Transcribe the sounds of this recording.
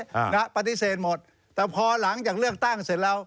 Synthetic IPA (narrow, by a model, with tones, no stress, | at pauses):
na˦˥pa˧t̪i˧˥seː˨˩t̪̚mo˨˩t̪̚ | t̪ːɛː˨˩pʰɔː˧la˩˦ŋt͡ɕaː˨˩k̚lɯ˥˩ək̚t̪a˥˩ŋse˨˩˦t̪̚ɾa˧w